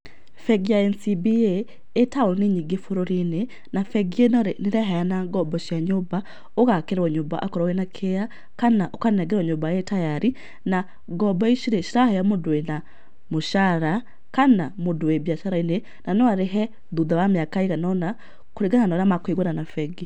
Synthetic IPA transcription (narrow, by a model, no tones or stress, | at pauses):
fɛɡjaɛnsibieː | taoneɲiɡefoɾoɾine | nafɛɡienɔɾeneɾɛɦaanaɡɔbɔʃjaɲoba | oɣakeɾɔɲomba̰ʔakɔɾawenakʰea | kanaʔokannaɡɛɾɔɲobajetajaɾi | na | ɡɔbɔiʃiɾeʃiɾahajamodwena | moʃaɾa | kanamodoebjaʃaɾaine | nanowaɾeɦɛ | ðuðawameakaeɣanɔna | koɾeɡananɔnamakweɡwananafɛɡi